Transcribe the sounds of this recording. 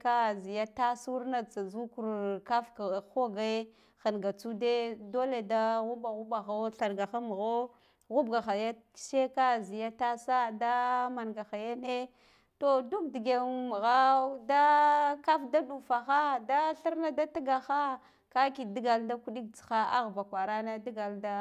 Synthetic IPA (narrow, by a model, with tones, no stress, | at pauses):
ka˦zi˨ja˦ta˦su˦ɾna˦t͡sa˨zu˦ku˨ɾka˦fka˨xo˦ɡa˦ | xa˨nɡa˨t͡su˦de˦do˦le˨da˦ɣu˦ba˨ɣu˦ba˨ɣa˦ɬa˨ɾɡa˨xa˦m˨ɣo˦ | ɣu˦bɡa˨xa˨jḁ˦ʃe˦ka˦zi˨ja˦ta˦sa˦da˦ma˨nɡa˨xa˨ja˦ne˦ | to˨du˦k̚di˨ɡe˨u˦m˨ɣa˦da˦ka˦fda˦ɗu˨fa˨xa˦da˦ɬi˦ɾna˦da˦ti˦ɡa˨xa˦ | ka˦ki˨di˦ɡa˨lda˦ku˦ɗi˦k̚t͡sxa˦a̰˦ɣba˨kʷa˨ɾa˦na˦di˦ɡa˨lda˦